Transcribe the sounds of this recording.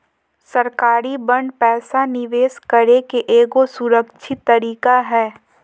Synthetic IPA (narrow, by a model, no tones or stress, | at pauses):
səɾkaːɾibə̃ɳɖpɛːsanɪʋeːskəɾekeʔeːɡosʊɾəkʃʰɪt̪ːəɾiːkaɦɛː